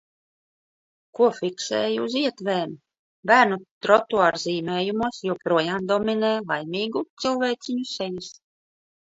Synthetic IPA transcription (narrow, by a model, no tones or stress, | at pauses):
kuɔfʲiksɛːjuziɛt̪veːm | bæːɾnut̪ɾɔt̪uaɾziːmʲeːjumuɔsjuɔpɾuɔjaːmd̪ɔmʲineːlˠajmʲiːɡut̪sɨlˠvʲɛjt̪sʲiɲusɛjis